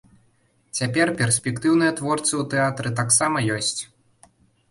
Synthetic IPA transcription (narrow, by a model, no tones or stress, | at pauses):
t͡sʲapʲɛrpʲɛrsʲpʲɛkt̪ɨwnɨjɐt̪vɔrt̪sɨut̪ɛat̪ɾɨt̪aksamɐjɔsʲt͡sʲ